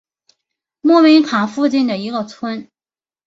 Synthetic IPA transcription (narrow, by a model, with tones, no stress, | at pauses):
mɔ˥˩mi˧˥ŋkʰa˨˩fu˥˧t͡ɕi˥˩nd̪ə˩i˧˥ɡə˧t͡sʰwə˥n